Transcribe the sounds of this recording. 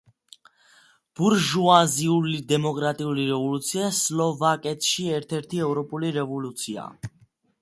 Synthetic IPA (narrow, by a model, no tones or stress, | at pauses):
b̥uɾʒuaziulid̪ɛmɔkʼɾat̪ʼiuliɾɛvɔlut̪sʰiaslɔvakʼɛt̪ʰʃiɛɾt̪ʰɛɾt̪ʰiɛvɾɔpʼuliɾɛvɔlut̪sʰia̰